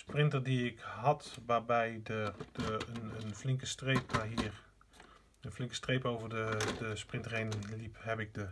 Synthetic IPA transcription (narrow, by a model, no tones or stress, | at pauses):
sprɪntəɹdiɪkɦɑtʋaːɹbɛjdəənənflɪŋkəstrejp̚naɦiɹ | ənflɪŋkə̥strejpowvəɹdədəsprɪntərejnənlipɦɛpɪɡ̚də